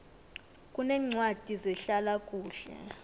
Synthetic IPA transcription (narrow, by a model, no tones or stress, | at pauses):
kʼunɛːŋ͡ǀʱwad̥ʱizɛɬalak̬ʼuːɬɛ̰